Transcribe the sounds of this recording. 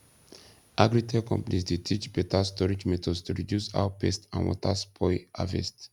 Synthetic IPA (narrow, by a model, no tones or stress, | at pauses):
ʔaɡɹitʰɛkʰɔ̰̃mpnisdetʰit͡ʃb̥ɛtʰastɔɹid͡ʒmɛtʰɔdstʰuɹidjusa̰wpʰɛstã̰nwɔ̰tʰaspʰɔɪʔa̰vɛ̰st